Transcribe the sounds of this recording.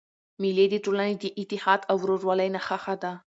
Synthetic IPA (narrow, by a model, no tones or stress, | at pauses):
miled̪iʈolanid̪iʔɪt̪ːɪhɑd̪awɾoʐwalajnaxaxad̪a